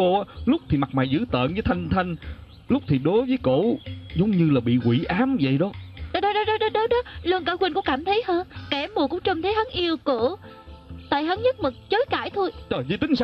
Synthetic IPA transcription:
o˧a˨˦lʊ˦˥k͡p̚t̪ʰi˨˩ma˨˩t̚maː˨˩jzɨ̰˧˥t̪ə̰ː˧˨nzɨː˨˦jt̪ʰa˧jŋ̟t̪ʰa˧jŋ̟ | lʊ˦˥k͡p̚t̪ʰi˨˩ɗo˨˦jvəː˨˦jko̰˧˩zə˨˦wŋ͡mɲɨ˧laː˨˩ɓḭ˧˨kwi˧˩ʔaː˨˦mvə̰˧˨jɗɔ˨˦a˨˦ɗə˨˦ɗɔ˨˥ɗɔ˨˦˥ɗə˨˦ɗə˨˦˥ɗɔ˨˦lu˧əŋkaː˧˦xwə˧nkʊ̰˧˥kaː˧˩mt̪ʰə˨˦jhəː˧nkɛ˧˩˨mu˨˩kʊ̰˧˥ŋ͡mt͡ɕə˧˩mt̪ʰə˨˦jhɦə˨˦nʔi˧əwku˧˩ | t̪a̰ː˧˨jɦə˨˦nɲə˦˥t̚mə˨˩k̚t͡ɕəː˨˦jka̰ː˧˩jt̪ʰo˧jt͡ɕəː˨˩jzi˨˧˦t̪ï˨˦ŋsa˧

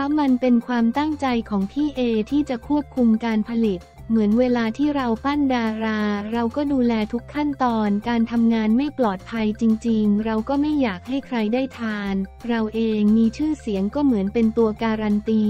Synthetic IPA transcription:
lʰɛ˦˥ma˧npe˧nkʰwaː˧mt̪a˥˩ŋt͡ɕa˧jkʰɔː˩˦ŋp̪ʰiː˥˩ʔeː˧t̪ʰiː˥˩t͡ɕa˨˩kʰu˥˩əp̚kʰu˧mkaː˧npʰa˧li˨˩t̪̚ | mɯ˩˦ənweː˧laː˧t̪ʰiː˥˩ɾa˧wpa˥˩ndaː˧ɾaː˧ɾa˧wkɔː˥˩duː˧lɛː˧t̪ʰu˦˥kʰːa˥˩nt̪ɔː˧nkaː˧nt̪ʰa˧mŋaː˧nma˥˩jplɔː˨˩t̪̚pʰa˧jt͡ɕi˧ŋt͡ɕi˧ŋɾa˧wkɔː˥˩ma˥˩jːaː˨˩k̚ha˥˩jkʰɾa˧jdaː˥˩jt̪ʰaː˧nɾa˧wʔeː˧ŋmiː˧t͡ɕʰɯː˥˩si˩˦əŋkɔː˥˩mɯ˩˦ənpe˧nt̪u˧ɐkaː˧ɾa˧nt̪iː˧

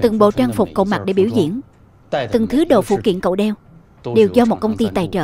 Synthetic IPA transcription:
t̪ɨ˨˩ŋɓo̰˧˨t͡ɕaː˧ŋfʊ˨˩k͡p̚ko̰˧˨ma˨˩t̚ɗe˧˩ɓi˧˩wzḭ˧˨ən˨ | t̪ɨ˨˩ŋt̪ʰɨ˨˦ɗo̰˧˨fṵ˧˩kḭ˧˨ənko̰˧˨ɗɛ˧w | ɗe˨˩wzɔ˧mo˨˩t̚kə˧wŋ͡mt̪i˧t̪aː˨˩jt͡ɕə̰ː˧˨

